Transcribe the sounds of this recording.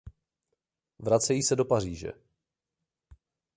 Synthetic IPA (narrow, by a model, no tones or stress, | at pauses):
vɾat͡sɛjiːsɛdo̞par̝iːʒɛ̰